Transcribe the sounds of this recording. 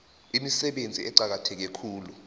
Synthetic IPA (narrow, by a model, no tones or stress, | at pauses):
imisɛɓend͡zʱiɛǀak̬atʰɛk̬ɛkʰuːlu